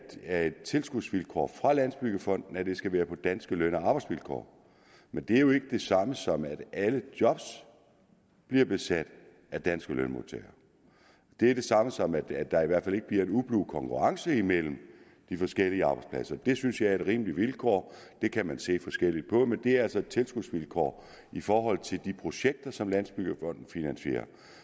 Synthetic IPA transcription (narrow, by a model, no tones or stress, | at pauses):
æe̝d̥t͡sʰe̝lsɡ̥uð̥sʋilkʰɒ̰ːfʁɑ̈læn̰sb̥yɡ̥əfɒ̽n̰d̥n̩æd̥e̝sɡ̥æʋæːɐpʰɒ̽d̥ænsɡ̥əløn̰ɒɑ̈ːb̥ɑɪsʋilkʰɒ̰ː | mend̥e̝æɐjo̝e̝ɡ̥əd̥e̝sɑ̈məsɒ̽mæd̥ʔæləd̥jɒ̽b̥s | b̥liɐb̥e̝sæd̥ | æd̥ænsɡ̥əlønmo̰t͡sʰɛ̰ːɐ | d̥e̝æɐɾ̥e̝sɑ̈məsɒ̽mæd̥æd̥ɑ̈iʋæɐd̥fæle̝ɡ̥əb̥liɐe̝nub̥luːkʰɒ̽ŋkʰuʁɑ̈ŋsəimel̰m̩ | d̥ifɒ̽sɡ̥el̰iəɑ̈ːb̥ɑ̈ɪ̥spʰlæ̰sɐd̥e̝synsjɑ̈ɪɐe̝d̥ʁḭːmliʋilkʰɒ̰ːd̥e̝kʰæmænse̝̰ːfɒ̽sɡ̥el̰id̥̚pʰɒ̽mend̥e̝æɐælsɒe̝d̥̚t͡sʰe̝lsɡ̥uð̥ˠsʋilkʰɒ̰ː | ifɒːɦɒ̽l̰t͡sʰe̝ld̥ipʰʁo̝ɕeɡ̥̚d̥ɐsɒ̽mlæn̰sb̥yɡ̥ɐfɒ̽n̰d̥n̩finænɕe̝̰ːɐ